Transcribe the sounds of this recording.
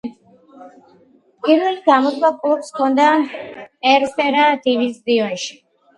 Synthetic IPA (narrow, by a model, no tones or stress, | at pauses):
pʼiɾvɛliɡamɔswakʼlˠubskʰɔnd̪a | ɛɾsɛɾad̪ivisd̪iɔnʃi̥